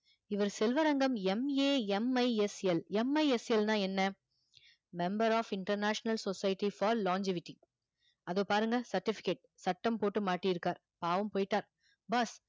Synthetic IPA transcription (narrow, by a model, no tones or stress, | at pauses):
ɪʋɐɾsɛlʋɐɾɐŋɡɐmɛmeːɛmɐɪɛsɛlɛmɐɪɛsɛlnãːɛnːɐ | mɛmbɐɾaːfɪɳʈɐɾnaːʂɐnɐlsɔsɐjɪʈːifɐːɾlaːɲd͡ʒɪʋɪʈːɪŋ | ɐðoːpaːɾɯŋɡɐsɐɾʈːɪfɪ̥keːʈ̚sɐʈːɐmpoːʈːɯmaːʈːijɪɾɯkːaːɾ | paːʋɐmpoːjɪʈːaːɾ | bɐs